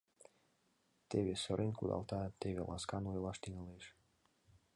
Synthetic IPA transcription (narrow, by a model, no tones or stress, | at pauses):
t̪eβesəɾʔenkud̪ɑ̰lˠt̪ɑt̪eβḛlʔɑ̰skɑnojlɑʃt̪iŋeleʃ